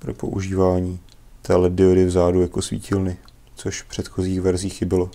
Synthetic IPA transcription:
pɾo̞po̞̰ʔṵʒiːvaːɲiː | t̪ɛːlɛdɪodɪvzaːdujako̞svḭːcɪlnɪ | t͡so̞ʃfpr̥ɛt̪xoziːxvɛɾziːxɪbɪlo

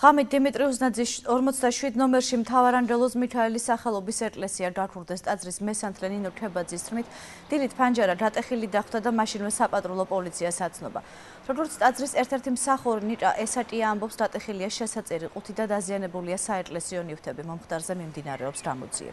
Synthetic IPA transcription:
ʁ̥amit̪̚d̪imit̪ʼɾiuznad̪ziɔɾmɔt̪sʰd̪aʃwid̪nɔmɛɾʃimt̪ʰavaɾaŋɡɛlˠɔsmitʰaɛlisːaχɛlˠɔbisɛkʼlɛsiaɡakʰuɾd̪ɛst̪ʼad̪zɾismɛsant̪ʰlɛninɔʈʰɛbad̪zist̪ʰɾmit̪ʰ | d̪̥ilit̪ʰpʰand͡ʒaɾad̪at̪ʼɛχilid̪aχwd̪ʰad̪amaʃinvɛsapʼat̪ʼɾulˠɔpʼɔlit̪sʰiatsat̪sʰnɔba̰ | ɾɔɡɔɾt̪sʰt̪ʼad̪zɾisɛɾt̪ʰɛɾt̪ʰimsaχuɾinit͡ʃʼaʔɛsatʼiaːmbɔpsɾat̪ʼɛχiliaʃɛsat̪sʼɛɾiqʼut̪ʰid̪ad̪azianɛbuliasaɛkʼlɛsiɔnift̪ʰɛbimɔmχt̪ʼaɾzɛmimd̪inaɾɛɔpsɡamɔ̰d̪z̥ḭɛ̰

